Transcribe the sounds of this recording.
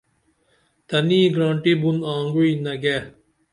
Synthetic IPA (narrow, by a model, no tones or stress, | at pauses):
t̪ɐniːɡɾãːɳʈibunaːŋɡuiːnɐɡe